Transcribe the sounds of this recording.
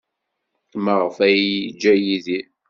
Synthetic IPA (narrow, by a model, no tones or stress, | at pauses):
məʁəfæjd͡ʒæjiði